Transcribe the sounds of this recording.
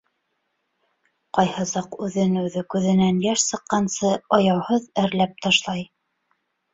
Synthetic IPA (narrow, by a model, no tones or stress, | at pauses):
qɑjhɤsɑqʉðɘnʉðɘkʉðɘ̆nænjæʃsɤ̆qːɑnsɤɑjɑwhɤðæɾlæp̚t̪ɑʃlˠɑj